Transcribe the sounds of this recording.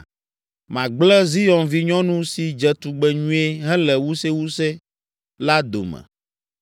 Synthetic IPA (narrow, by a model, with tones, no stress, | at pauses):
mã˨ɡ͡blɛ˦zi˦jɔ˨nvi˦ɲɔ̃˦nũ˦si˨d͡ʒɛ˨t̪u˨ɡ͡bɛ˨ɲũ˦e˦ɦɛ̃˦lɛ˨wu˦sɛ˦wu˦sɛ˦ | la˦d̪o̰˨mɛ̰̃˨